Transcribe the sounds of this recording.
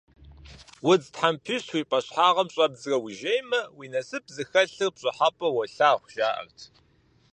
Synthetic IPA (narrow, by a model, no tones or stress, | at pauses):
wʊd͡ztħampʰiɕwiːpʼɐɕħaːʁɐmɕʼɐbzɨrɐwiʒejmɐwiːnɐsɨp̚ʰzɨxɐɬɨrpɕʼɐħapʼɐwɐɬaːχʷʊʒaːʔɐ̰rtʰ